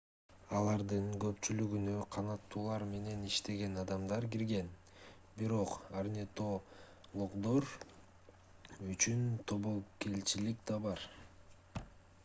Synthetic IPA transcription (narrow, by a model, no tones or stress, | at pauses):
ɑlˠɑɾd̪ɯɴɡø̞pt͡ʃylyɡynøqʰɑnɑt̪ːuːlˠɑɾme̞ne̞niʃt̪e̞ɡe̞nɑd̪ɑmd̪ɑɾɡiɾɡe̞n | biɾo̞qarnʲet̪o̞ | lˠoqd̪o̞ɾ | yt͡ʃynt̪ʰo̞βo̞ke̞lt͡ʃilikd̪ɑbɑɾ